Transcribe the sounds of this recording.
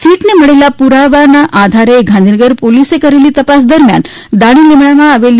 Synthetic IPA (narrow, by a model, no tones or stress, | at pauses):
siːʈneməɭelapuɾaʋanaʔad̪ʱaɾeɡʱand̪ʱinəɡəɾpolisekəɾeliːt̪əpas̬d̪əɾmja̰n | d̪aɽ̃iːlemɳaʋaːʋelː